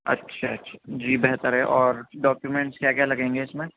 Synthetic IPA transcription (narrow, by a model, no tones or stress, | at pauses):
ɐ̰tːʃʰatːʃʰḁd͡ʒiːbɛɦt̪əɾɦɛʔɔːɾɖɔːkjumẽɳʈskjaːkjalɐɡẽːŋɡeɪsmẽ